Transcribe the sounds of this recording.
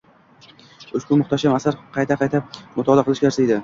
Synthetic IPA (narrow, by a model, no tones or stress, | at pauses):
ʊʃkʊmʊχt̪ʰaʃamasaɾqʰɑjt̪ʰaqʰɑjt̪ʰap̚mʊt̪ʰɒlˠaqɨlˠɪʃɡʲaɾsaejd̪ɪ